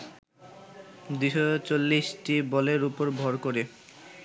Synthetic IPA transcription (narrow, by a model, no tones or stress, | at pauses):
d̪iʃot͡ɕolːisʈibɔleɾupoɾbʱɔɾkoɾe